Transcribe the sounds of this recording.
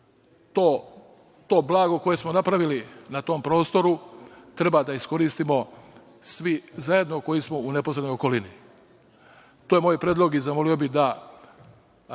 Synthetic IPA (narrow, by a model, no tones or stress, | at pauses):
t̪o | t̪o̞ːblˠaːɡoko̞jesmonapɾaʋilinat̪o̞mpɾo̞ːst̪o̞ɾut̪ɾe̞bad̪aisko̞ɾiːst̪imo̞ | sʋizaje̞d̪no̞ko̞jismo̞une̞po̞sɾed̪nojoko̞lini | t̪oːjemoːjpɾeːd̪lˠo̞ɡizamo̞lio̞bid̪a